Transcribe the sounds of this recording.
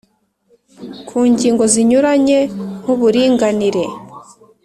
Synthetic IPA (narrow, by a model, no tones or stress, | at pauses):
kʰuːɲɟiːŋɡo̞ziɲuɾaɲe̞huβuɾiːŋɡaniɾe̞